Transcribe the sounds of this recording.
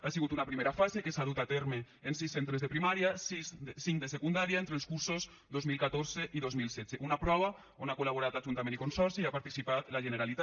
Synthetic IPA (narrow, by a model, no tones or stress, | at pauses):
asiɣut̪unapɾimeɾafazekesaðut̪at̪eɾmeː | nsisːent̪ɾezðepɾimaɾiasizsiŋkd̪esekund̪aɾiaent̪ɾelskuɾsoz | d̪ozmilˠkat̪oɾzeʔiðozmilˠsɛd͡zeʔunapɾɔβ̞a | onakolaβ̞oɾat̪laʒunt̪amẽnikonsɔɾsiapaɾt̪isipat̪laʒeneɾalit̪a